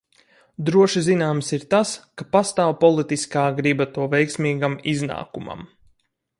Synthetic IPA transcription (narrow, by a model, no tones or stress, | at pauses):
d̪ɾuɔʃizinaːmsiɾt̪askapast̪aːwpɔlˠit̪iskaːɡɾibat̪uɔvɛjksmʲiːɡamizna̰ːkuma̰m